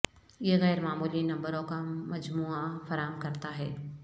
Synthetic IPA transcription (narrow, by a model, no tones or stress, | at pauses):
ɪeɣɛːɾmaːmuːlinɐ̃mbəɾõkamɐd͡ʒmuːafɐɾaːɦəmkɐɾt̪aɦɛː